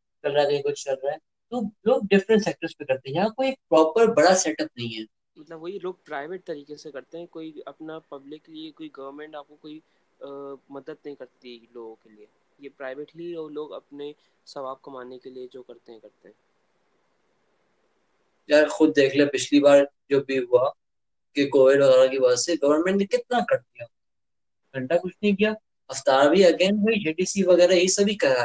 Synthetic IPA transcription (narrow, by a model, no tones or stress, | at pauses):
t͡ʃɐlɾaɡɐẽkʊt͡ʃʰt͡ʃɐlɾaɦɛː | t̪oloːɡ̚ɖɪfɾə̃ɳʈsɛːk̚ʈəɾspẽkɐɾt̪ẽɦɛ̃jɐãkoːiek̚pɾɔːpəɾbɐɽasɛːʈəp̚nɐɦĩɦɛː | mɐt̪ləbʋoːiloːɡ̚pɾaːɪʋeːʈ̚t̪ɐɾiːkesekɐɾt̪eɦɛ̃koːiɐpnapɐblɪkːliekoːiɡɐʋəɾmẽɳʈaːp̚kokoːi | mɐd̪əd̪nɐɦĩkɐɾt̪iiloːɡõkelie | jepɾaːɪʋeːʈliɔːɾloːɡɐ̰pne | sɐʋaːb̚kɐmaːnekelied͡ʒoːkɐɾt̪ẽɦɛ̃kɐɾt̪eɦɛ̃ː | kjaːɾxʊd̪̚ːeːkʰlepɪt͡ʃʰlibaːɾd͡ʒoːbʱiɦʊa | kekoːʋɪɖʋɐɣɛːɾakiʋɐd͡ʒɛsseɡɐʋəɾmɛ̃ɳʈnekɪt̪̚nakɐɾd̪ijaː | ɡ̥ʱɐ̃ɳʈakʊt͡ʃʰnɐɦĩkija | ɐft̪aːɾabʱiɐɡeːnboid͡ʒeːʈiːsiʋɐɣɛːɾaisɐbʱikɐɾa